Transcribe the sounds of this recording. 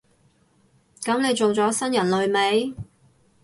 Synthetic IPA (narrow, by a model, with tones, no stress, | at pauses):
kɐ˨˥mne˨˧jt͡sʊ˨ŋt͡sɔː˨˥sɐ˥njɐ˨˩nlɵ˨˧ɥme˨˥j